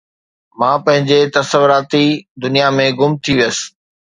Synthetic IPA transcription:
mãːpɐ̃ɦɪ̃ɲd͡ʑet̪ɐsəʋʊɾaːt̪id̪ʊnijamẽɡʊmt̪ʰiʋijəsɪ̥̆

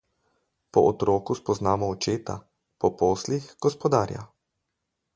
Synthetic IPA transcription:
pɔʔɔt̪ɾɔːkuspɔznaːmɔːt͡ʃeːt̪a̰ | pɔpoːslixɡ̥ɔspɔd̪aːɾja̰

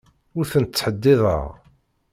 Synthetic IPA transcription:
ʊɾθənt͡sːħəd̪ːɪðˤə̰ʁ

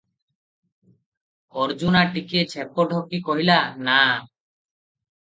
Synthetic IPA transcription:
ɔɾd͡ʒunaʈikiet͡ʃʰɛpɔɖʱɔkikɔɦilana

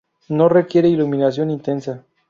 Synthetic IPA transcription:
no̞re̞kje̞ɾeiluminasjo̞nint̪e̞nsa

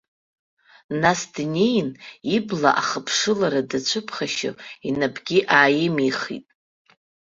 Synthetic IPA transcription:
nasdnʲejnibla̰ʔaχəpʰʂɨlaɾadat͡ɕʷʰɨpʰχaʃo̰inabɡʲiʔaːjɪmiχḭtʼ

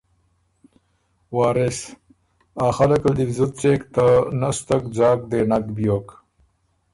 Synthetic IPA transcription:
waːɾes | aːxɐlɐkɐld̪ifzut̪̚t͡seːkt̪anɐst̪ɐkd͡zaːkd̪eːnakbijoːk

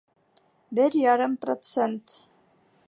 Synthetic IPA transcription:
bɘɾʲjɑɾɤmprot̪sent̪

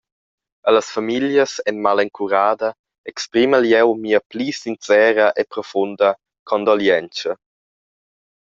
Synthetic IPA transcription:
ələsfamiljəsɛnmalɛŋkʰuɾaːdə | ɛkspɾiməljɛwmiːəplisint͡sɛːɾəʔepɾɔfundə | kʰɔnd̪ɔljɛnt͡ʃə

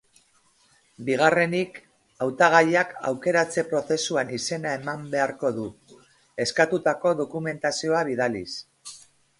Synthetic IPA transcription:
biɣ̞are̞nik | awt̪aɣ̞aʎaka̰wke̞ɾat͡se̞pɾo̞θe̞suanise̞nae̞mambe̞aɾko̞ðu | e̞skat̪ut̪ako̞ðo̞kume̞nt̪asio̞aβiðalḭs

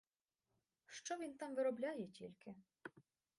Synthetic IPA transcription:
ʃt͡ʃɔʋʲint̪ɑmʋɪɾɔblʲɑjɛtʲilʲkʰɪ

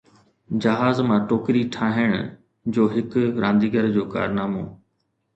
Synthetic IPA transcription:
d͡ʑɐɦaːzmãːʈoːkɾiʈʰaːɦɪɽ̃ʊ̰ | d͡ʑoːɦɪkʊɾʔãːnd̪iːɡəɾd͡ʑoːka̰ːɾnaːmoː

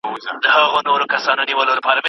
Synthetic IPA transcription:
d̪əɦaɣonoɾokasɑnoniwəlolapɑɾame

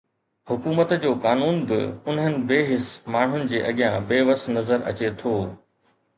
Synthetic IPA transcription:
hʊkuːmət̪d͡ʑoːkaːnuːnbɪ̰ʊnɦənɪ̆beːɦɪsmaːɳ̤ʊnɪ̆d͡ʑeːʔɐɠɪjãbeːʋəsnɐzəɾɐ̰t͡ɕet̪ʰoː

